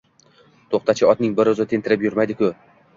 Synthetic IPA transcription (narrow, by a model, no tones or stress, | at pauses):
t̪ʰoχt̪at͡ʃʰɪɒt̪̚nɪŋbɪɾʊzɪt̪ʰe̞nt̪ʰɪɾɪpjʊɾmajd̪ɪkʰʲʊ